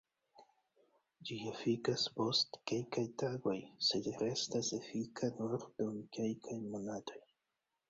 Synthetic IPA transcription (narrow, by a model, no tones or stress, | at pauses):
d͡ʒiefikaspo̞stke̞lkajtaɡo̞jse̞dɾe̞stasefikʰanuɾdumkelkʰajmo̞natʰo̞j